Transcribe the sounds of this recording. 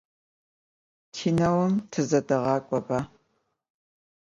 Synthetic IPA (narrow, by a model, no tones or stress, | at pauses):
tʰiːnɐwɐmtʰɨzɐdɐʁɑːkʷʼɔba